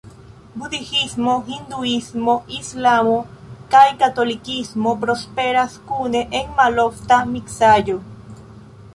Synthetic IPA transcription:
buðixismoxind̪uismoislamokajkat̪olikismopɾospeɾaskuneʔeŋmaloft̪amiksajo

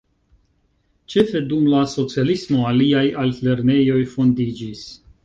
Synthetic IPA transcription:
t͡ʃefed̪umlaso̞t͡sialismoaliajalle̞ɾnejo̞jfo̞nd̪id͡ʒis

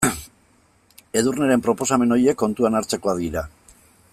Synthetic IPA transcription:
e̞ðurneɾe̞mpɾo̞po̞same̞no̞je̞kːo̞nt̪uanaɾt͡se̞ko̞aðiɾa

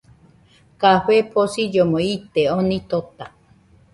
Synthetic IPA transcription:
kaɸepʰosijomoit̪eonit̪ot̪a

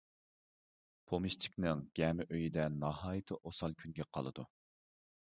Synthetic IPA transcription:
pʰomɨʃt͡ʃʰi̥kʲnɨŋɡ̥ʲɛmɪʔøjid̪ɛnɑhɑːjɨt̪ʰɨʔosɑlˠkʲʰynɡʲɛqʰɑ̰lˠɨ̰d̪u

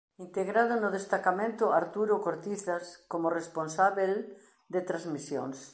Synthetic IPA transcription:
int̪eɣɾað̞ʊnʊðest̪akamẽnt̪ʊaɾt̪uɾokoɾt̪iθaskomʊresponsaβel | d̪et̪ɾazmisjo̰ŋs

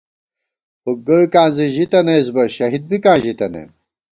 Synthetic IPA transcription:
puɡɐkaːnziʑit̪ɐnezbɐɕɐɦid̪̚bikãːʑit̪ɐnḛ

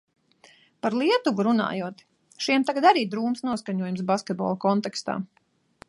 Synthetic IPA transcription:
paɾlˠiɛt̪uvuɾuna̰ːjuɔt̪ | ʃiɛmt̪aɡad̪aɾiːd̪ɾuːmsnuɔskaɲuɔjumsbaskʲɛt̪̚bɔ̰ːlˠɐkɔnt̪ɛkst̪a̰ː

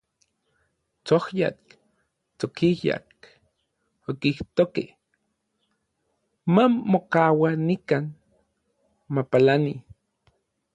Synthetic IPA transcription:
t͡sohja̰k | t͡sokija̰k | okiht̪oke | mamokawanikaːn | mapalani

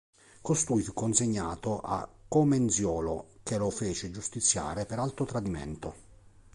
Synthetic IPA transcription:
kost̪ujfukːonseɲːaːt̪oʔa̰kːomensjɔːlok̟elofeːt͡ʃɪd͡ʒust̪it̪sːja̰ːɾepeɾalt̪ot̪ɾad̪imḛnt̪o

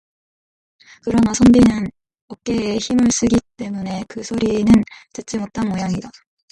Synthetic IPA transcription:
kɯɾʌnasʰʌmbinɯn | ʌk͈e̞ːçimɯɭs͈ɯɡit͈e̞mune̞kɯsʰoɾinɯntɯt͡ɕ͈imot͈̚anmojaŋida

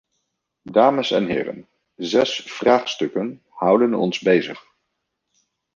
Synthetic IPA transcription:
daːməsɛ̰nɦɪ̰ːrə̰n | zɛsfraːχstɵkən | hʌwdənɔ̰nzbejzə̰χ

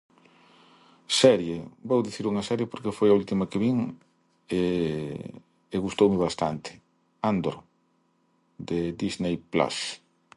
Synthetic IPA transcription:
sɛɾjebowðiθiɾuŋɐsɛɾjepoɾkefojault̪imɐkeβiŋ | e | ɣust̪owmɪβast̪a̰nt̪ʰɪ̥ | and̪oɾ | d̪ed̪iznejpla̰s

